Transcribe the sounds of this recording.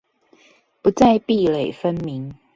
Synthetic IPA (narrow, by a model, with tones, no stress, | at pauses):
pu˨˦t͡sa˥˧ɪpi˥˨le˨˩ɪfə˦nmi˨˦ŋ